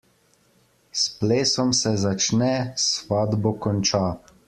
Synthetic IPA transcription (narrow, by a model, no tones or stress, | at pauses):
spleːsɔmsɛzat͡ʃnɛsʋad̪bɔkɔnt͡ʃaː